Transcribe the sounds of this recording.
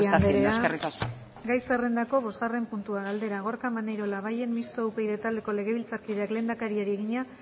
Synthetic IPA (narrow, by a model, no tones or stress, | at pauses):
ad̪eɾeɾaria | ɡajsere̞nd̪ako̞βo̞zɣare̞mpunt̪uaɣald̪e̞ɾaɣ̞o̞ɾkamanejɾo̞laβaje̞nmist̪owpe̞jðet̪ald̪e̞ko̞le̞ɣe̞β̞ilt͡saɾkiðe̞akle̞ːnakaɾiaɾieɣiɲa